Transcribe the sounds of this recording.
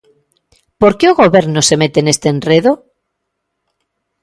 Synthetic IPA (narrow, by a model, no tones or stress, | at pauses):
poɾkeoɣoβeɾnosemet̪enest̪enreðo